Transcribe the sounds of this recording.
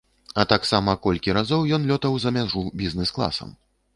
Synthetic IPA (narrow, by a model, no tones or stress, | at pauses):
ɐt̪aksamɐkɔlʲkʲiɾazɔwjɔnlʲɔt̪ɐwzɐmʲaʐubʲiznɛsklˠa̰sɐ̰m